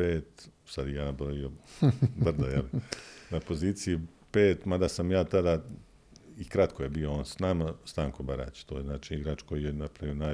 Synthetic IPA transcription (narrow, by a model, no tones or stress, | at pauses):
eːt̪sad̪ijaːnabolʋijobr̩d̪ojelinapo̞ziːt̪siji | peːt̪mad̪asamjaːt̪ad̪a | ikɾat̪kojebiːooːnsnamast̪aːŋko̞baɾa̰ːt͡ɕt̪oːjeznaːt͡ʃiiɡɾaːt͡ʃko̞jijenapɾaʋijona